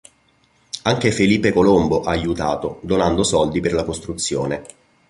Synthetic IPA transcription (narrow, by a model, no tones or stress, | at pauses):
aŋk̟efeliːpekolomboʔaːjut̪aːt̪od̪onand̪osɔld̪iperlakost̪ɾut̪sːjoːne